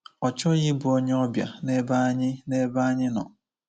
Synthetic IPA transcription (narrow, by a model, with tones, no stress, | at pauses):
ɔ˨t͡ʃɔ˦ɣɪ˦bʊ˨o˦ɲe˦ɔ˦bja˨ne˦ba˦ɲɪ˦ne˦ba˦ɲɪ˦nɔ̰˨